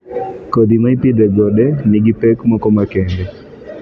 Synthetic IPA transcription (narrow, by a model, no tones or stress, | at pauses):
kod̪imaipid̪ɛɡɔɗɛnɪɡipɛkmɔkɔmakɛŋɡɛ